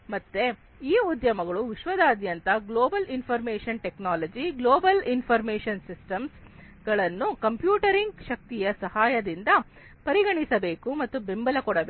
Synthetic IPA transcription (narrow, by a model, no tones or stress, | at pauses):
mɐt̪ːe | iːud̪jɐmɐɡɐɭuʋiʃʋɐd̪aːd̪jɐnt̪ɐɡloːbɐlinpʰɐɾmeːʃɐnʈeknaːlɐd͡ʒiɡloːbɐlinpʰɐɾmeːʃɐnsisʈɐms | ɡ̥ɐɭɐnːukɐmpjuːʈɐɾiŋɡʃɐk̚t̪ijɐsɐhaːjɐd̪ind̪ɐ | pɐɾiɡɐɳisɐbe̞ːkumɐt̪ːubembɐlɐkɔɽɐbe